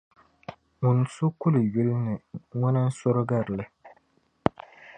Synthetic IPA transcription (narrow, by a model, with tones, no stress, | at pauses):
ŋʊ˨n˨sʊ˦kʊ˦lɥu˦lnɨ˨ŋɔ˦nɨ˦n̩˦sɔ˦ɾɨ˦ɡa˦ɾlɨ˦